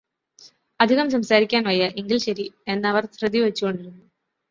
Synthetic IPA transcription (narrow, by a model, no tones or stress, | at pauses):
ɐd̪ʱiɣɐmsɐmsaːɾikʲːaːnʋɐjːɐʔiŋɡilɕɐɾie̞nːɐʋɐrsrɨd̪iʋɐt͡ɕːukːo̞ɳɖiɾunːu